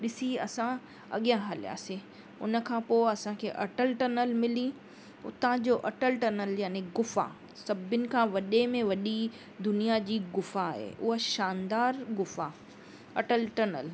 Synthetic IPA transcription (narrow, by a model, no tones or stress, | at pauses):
ɗɪsiɐ̰sã | ɐ̰ɠijãɦɐlḭa̰ːse | ʊ̰nə̆kʰãːpoːɪɐsãkʰeːʔɐʈəlʈɐnəlmɪlĩ | ʊ̰t̪ãd͡ʑoːʔɐʈəlʈɐnəljaːneɡʊfa̰ | sɐbʱɪnɪ̆kʰãːʋɐɗemẽʋɐɗi | d̪ʊnijad͡ʑiːɡʊfaɦḛːʔʊɦaʃaːnd̪aːɾɡʊfa | ɐʈəlʈɐnəl